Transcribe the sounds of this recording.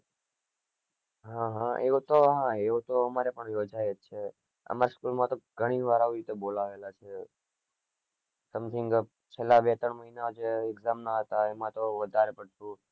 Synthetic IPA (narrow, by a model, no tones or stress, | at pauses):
ɦãɦãeot̪oɦãeot̪oəmaɾepəɳjod͡ʒajet͡ʃʰe | ə̰maɾskulmãt̪oɡʱəɽ̃iʋaɾaʋiɾit̪ebolaʋelat͡ʃʰe | səmt̪ʰɪŋɡ | t͡ʃʰelːabet̪əɳməɦinad͡ʒeːɡzamnaɦət̪aemãt̪oʋəd̪ʱaɾepəɽʃũ